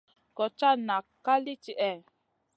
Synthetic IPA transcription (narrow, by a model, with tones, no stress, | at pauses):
kɔ˨t͡ʃa˦na˨ka˦li˦t͡ʃi˨ʔɛ˦˨